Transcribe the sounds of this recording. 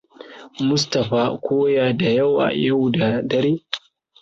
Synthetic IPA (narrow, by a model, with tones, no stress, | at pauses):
mʊ˦s̬tɐ˨ɸaː˦kʷoː˦jaː˨da˨ja˦˨wʔa̰˨ja˦˨wda˨dɐ˦ɾeː˦